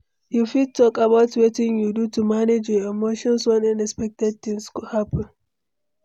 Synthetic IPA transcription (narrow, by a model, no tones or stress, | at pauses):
jufid̚tɔkabatwetɪ̃ŋjudutumaned͡ʒjɔɛmoʃɔ̃nswɔ̃nãnɛkspɛk̚tɛd̚tɪ̃nskhapɔn